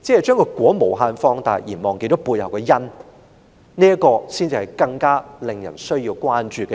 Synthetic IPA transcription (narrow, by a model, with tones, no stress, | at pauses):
t͡sɛː˨˥hɛ˨jt͡ʃœː˥ŋkɔː˧kwɔː˨˥mo˨˩wɦaː˧nfɔː˧ŋt̪aː˨˩˨jiː˨˩nmɔː˨ŋke˧jt͡ʃɔː˨˥puː˧jhɐ˨˩wkɛ˧jɐ˥n | niː˥ɐ˥kɔː˧siː˥nt͡siː˧hɐ˨˩jkɐ˧ŋkaː˥lɪ˨ŋjɐ̰˨˩nsɵ˥ɥjiː˧wkwaː˥nt͡ʃyː˨˧kɛ˧